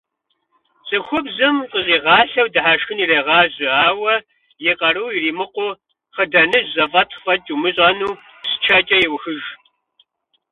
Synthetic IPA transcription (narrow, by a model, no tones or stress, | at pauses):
ɕʼɨxʷʊbzɨmqʼəzʼiːʁɑːɬɐwdɨħaːʃxɨniːreːʁɑːʑɪaːwɐ | jeqɐɾɨwiriːmɨqʷʊ | χədɐnɨzɐfʼɐtʰfɐt͡ʃʼumɨɕʼɐnuː | pst͡ʃʰɐt͡ʃʼɐjɪwxɨʒ